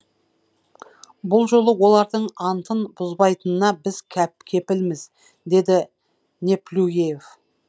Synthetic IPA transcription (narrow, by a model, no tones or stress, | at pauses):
bʊlˠʒo̞lˠəwo̞lˠɑɾd̪əɴɑnt̪ʰənbʊzbɑjt̪ənənɑbɪz̥kʲʰæp̚kʲʰe̞pɪlmɪz | d̪e̞d̪ɪ | nʲe̞plʲuɡejef